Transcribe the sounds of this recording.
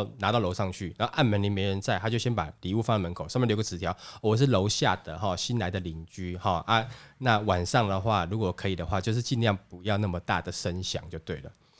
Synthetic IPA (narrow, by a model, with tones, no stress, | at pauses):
na˧˥t̪ɑ˥˩ʊlo˧ʊʂɑ˥˧ŋt͡ɕʰy˥˩na˨˦˥ʔa˥˩nmə˧˦nli˧˥me˧˥ɪɻə˧˦nt͡sa˥˩ɪt̪ʰa˥t͡ɕjo˥˩ʊɕjɛ˥npa̰˨˩li˨˦u˥˧˩fa˥ŋlə˨mə˧˦nkʰo˨ʊʂɑ˥˧mɛ˥˩˨o˧˥ɡə˧t͡s̩ʰ˨˩t̪ʰjɑ˨˦ʊɔ˨˩wɔ˨˩ʂ̬̩˥˩lo˧˥ʊɕja˥˩d̪ə˩xɔ˥˨˩ɕi˦nla˧˥ɪd̪ə˨li˨˥ŋt͡ɕy˥hɔ˥˩ʔa˦na˥˩wa˨˩nʂɑ˥˩ŋd̪ə˩xwa˥˩ɻu˧˥kwɔ˨˩˨kʰɤ˧˦˥i˨˩d̪ə˩˦xwa˥˧t͡ɕjo˥˧ʊʂ̬ɻ̩˥˧t͡ɕi˥˧nljɑ˥˩ŋpu˧˥jɑ˥˧ʊna˥˩mə˩t̪a̰˥˩d̪ə˩ʂə˦nɕjɑ̰˨˩ŋt͡ɕjo˥˧ʊt̪we˥˩ɪlə̰˩